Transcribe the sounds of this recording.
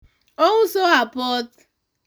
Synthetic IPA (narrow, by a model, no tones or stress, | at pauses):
oŋʊsoapɔt